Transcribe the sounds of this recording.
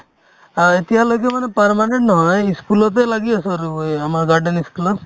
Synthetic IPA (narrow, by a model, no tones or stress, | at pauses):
et̪iɦaloɡemanepəɾmaneɳʈnɔɦɔ̃jiskulɔt̪̬ejlaɡiɔsɔɾuamaɾɡaɾɖeniskulɔ